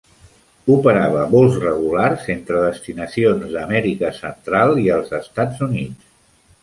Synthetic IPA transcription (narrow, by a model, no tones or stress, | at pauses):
upəɾaβəβolˠzrəɣ̞ularzent̪ɾəðəst̪inəsionzðəmɛɾikəsənt̪ɾalˠiəlˠzəst̪ad͡zunis